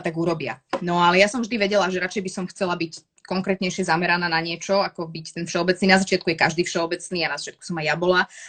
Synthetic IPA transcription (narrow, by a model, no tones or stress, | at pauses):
t̪aɡuɾɔbɪa̰nɔalɛjasɔmvʒd̪iʋɛɟɛlaʒɛɾat͡ʃɛjbisɔmxt͡sɛlabic | kɔŋkɾɛːt̪ɲɛjʃɪɛzamɛɾanaːnaɲɪɛt͡ʃɔakɔbict̪ɛnfʃɛɔbɛt͡sniːnazat͡ʃɪat̪̚kujɛkaʒd̪iːfʃɛɔbɛt͡sniːanazat͡ʃɪat̪ku̥sɔmajjabɔla